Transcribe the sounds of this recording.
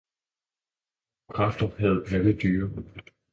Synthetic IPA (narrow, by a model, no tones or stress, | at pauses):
kʰʁɑ̈fd̥ɐhæð̞̩ˠæləd̥yːɐ